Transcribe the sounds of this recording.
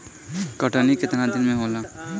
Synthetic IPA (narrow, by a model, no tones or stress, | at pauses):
kəʈanikɪt̪ɾad̪ɪnmẽɦola